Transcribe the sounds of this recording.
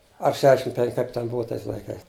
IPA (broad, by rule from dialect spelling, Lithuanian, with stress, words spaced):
ɐr ˈʃʲæːʃʲɪm ˈpʲɛŋk ˈkɐɪp tʲɛn ˈbʊʋɐ ˈtɐɪs lˠɐɪˈkɐɪs